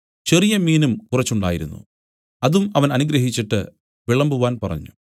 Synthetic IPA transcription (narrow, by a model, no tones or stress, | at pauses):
t͡ɕe̞rijɐmiːnumkurɐt͡ɕːuɳɖa̰ːjiɾṵnːṵ | ɐðumɐʋɐnɐnuɡɾɐɦit͡ɕːiʈːɨ̰ | ʋiɭɐmbuʋaːnpɐrɐ̰ɲːu